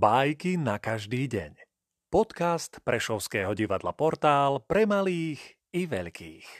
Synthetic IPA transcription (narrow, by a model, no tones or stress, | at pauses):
bajkinakaʒd̪iːɟɛ̰ɲ | pɔt̪kast̪pɾɛʃɔʊskɛːɦɔɟiʋad̪la̰pɔɾt̪aːlpɾɛmaliːx | iʋɛʎkʰḭːx